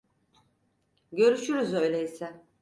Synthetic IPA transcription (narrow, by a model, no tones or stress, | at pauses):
ɟø̞ɾyʃyɾyzø̞jlʲeisɛ